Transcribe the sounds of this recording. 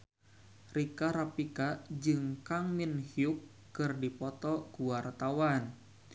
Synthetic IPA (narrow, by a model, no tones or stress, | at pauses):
rikaɾapikad͡ʒɨŋkaŋminhiuk̚ː | ɨrdipɔt̪ɔkuwart̪awan